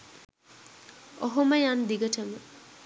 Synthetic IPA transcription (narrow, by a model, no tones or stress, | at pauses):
oɦoməjand̪iɡəʈəmə